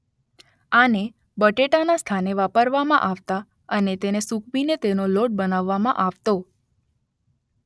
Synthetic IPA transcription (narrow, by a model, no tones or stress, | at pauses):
ane | bəʈeʈanast̪ʰaneʋapəɾʋamã̰ʔaʋt̪a | ənet̪enesuk̚ʰbinet̪enoloʈ̚bənaʋːamãʔaʋt̪o